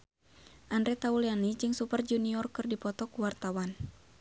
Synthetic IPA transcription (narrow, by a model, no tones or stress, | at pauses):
ʔandɾɛt̪aulianid͡ʒɨŋsupərd͡ʒuniɔrkɨrdipɔt̪ɔkuwart̪awan